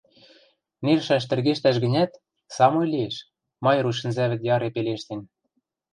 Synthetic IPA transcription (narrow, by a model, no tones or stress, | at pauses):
nerʃæʃt̪ɘ̆rɣeʃt̪æʃɡɘ̆nʲæt̪ | sɑmojlieʃ | mɑjɾuʃ̬ɘ̆nzæβɘ̆t̪jɑɾepeleʃt̪en